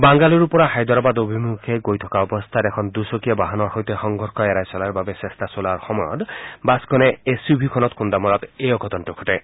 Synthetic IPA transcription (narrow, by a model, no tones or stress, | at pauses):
baŋɡaluɾupɔɾaxajd̪ɔɾɔbad̪obʱimukʰeɡojt̪ʰɔkaɔbɔst̪ʰaɾekʰɔnd̪usɔkiebaɦanɔɾxojt̪exɔŋɡʱɔɾkʰɔɛɾajsɔlaɾbabesest̪asolaɹxɔmɔjɔ̰t̪baskɔneesubʱikʰɔnɔt̪xund̪amɔɾɔt̪ejɔkʰɔt̪ɔnʈukʰɔʈe